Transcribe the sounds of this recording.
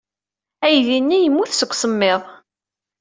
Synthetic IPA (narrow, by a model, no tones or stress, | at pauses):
æjðinːijəmːuθsəɡkʷːsəmːeðˤ